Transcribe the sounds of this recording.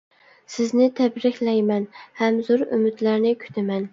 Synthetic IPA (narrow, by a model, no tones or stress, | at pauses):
sɪznɪt̪ʰæbɾɪkʲlɛjmɛnhæmzʊɾʊ̰mɪd̪læɾnɪkʲʰy̥t̪ʰɪmɛn